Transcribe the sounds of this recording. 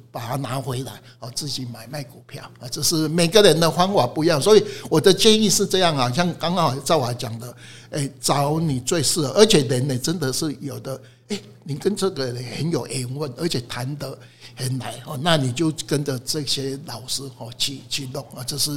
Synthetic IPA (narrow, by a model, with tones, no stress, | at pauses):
pa˨˩t̪ʰa˥na˨˧˥xwe˧˥ɪla̰˧˦ɪhɔ˨˩t͡sɹ̩˥˩t͡ɕi˨˩ma˨˩ɪma˥˩ɪku˨˩pʰja̰˥˩ʊhɔ˨˩t͡ɕjo˥˧ʊʂɻ̩˥˩me˨˩ɪɡə˦ɻə˧˦nd̪ə˧xwa˥nwa˨˩pu˧i˦ja˥˨ŋswɔ˧˥i˨˩wɔ˨˩d̪ə˦t͡ɕjɛ˥˧ni˥˧ʂɻ̩˥˧t͡sɤ˥˧jɑ˥˩ŋa˨ɕja˥˧ŋka˥ŋka˥˦˨t͡sa˥˩ɪwa˨˩t͡ɕja˨˩ŋd̪ə˦ | e˥˩t͡sɑ˧˦ʊni˨˩t͡swe˥˧ɪʂ̩˥˩˨ʔə˨˧˥t͡ɕʰjɛ˨˩lə˨˦ne˨t͡sə˦nd̪ə˨ʂɻ̩˥˩jo˨˩ʊd̪ə˦ | e˥˩ɪ | ni˨˩kə˦nt͡sɤ˥˨ɡə˨ne˨˩hə˧˦njo˨˩ʊʔɛ˨˦ŋwə˥˩nʔə˧˥t͡ɕʰjɛ˨˩t̪ʰa˨˦nd̪ə˧ | hə˨˦nla˨˦ɪhɔ˥˧na˥˨ni˨˩t͡ɕjo˥˧ʊkə˦nd͡zə˨t͡sɤ˥˧˨ɕjɛ˦˥lɑ˨˩ʊʂɻ̩˥hɔ˥˧t͡ɕʰi˥˧t͡ɕʰi˥˧lʊ˥˩ŋhɔ˥˨t͡ɕo˥˧ʂ̩˥˩